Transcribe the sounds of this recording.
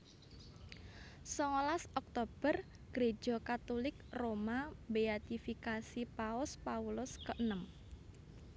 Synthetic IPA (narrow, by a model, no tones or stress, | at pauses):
sɔŋolasɔk̚t̪ob̥ər | ɡ̥ɾe̥ʒ̥ɔkat̪olɪkromabeat̪ifikasipaʊspaulʊskəʔənəm